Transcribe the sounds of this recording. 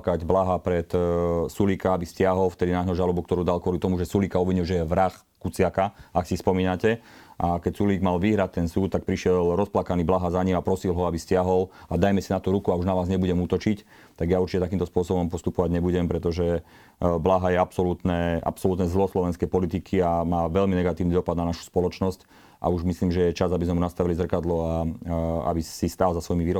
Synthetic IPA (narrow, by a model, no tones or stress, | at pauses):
kaɟblaɦapɾɛt̪sulikaabiscɪaɦɔlft̪ɛd̪inaːɔʒalɔbuk̚t̪ɔɾuːd̪alkʊɔlit̪ɔmuʒɛsulikaɔʋiɲilʒɛjɛʋɾax | kut͡sɪakaaksispɔmiːnacɛ | ʔakɛcsuliːɡmalʋiɦɾac̚t̪ɛnsuːt̪ːak̚pɾiʃɪɛlɾɔsplakaniːblaɦazaɲimapɾɔsilˠɦɔabiscɪaɦɔlad̪ajmɛsinat̪uɾukuauʒnaʋaːzɲɛbuɟɛmuːt̪ɔt͡ʃic | t̪aɡjauɾt͡ʃicɛt̪akimnt̪ɔspʊɔsɔbɔmpɔst̪upɔʋaɟɲɛbuɟɛmpɾɛt̪ɔʒɛ | blaːɦajɛapsɔlut̪nɛːʔa̰psɔlut̪nɛzlɦɔslɔʋɛnskɛjpɔlit̪ikʰiamaːʋɛlminɛɡat̪iːʊnid̪ɔpad̪nanaʃu̥spɔlɔt͡ʃnɔsc | ʔa̰uʒmisliːmʒɛjɛt͡ʃazabizmɛmunast̪aʋilizr̩kad̪lɔa | a̰bisist̪alzasʋɔjimiʋiːɾɔ